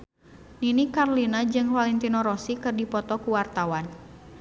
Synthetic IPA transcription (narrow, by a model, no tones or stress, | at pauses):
ninikarlinad͡ʒɨŋfalɛnt̪inɔɾɔsikɨrdipɔt̪ɔkuwart̪awan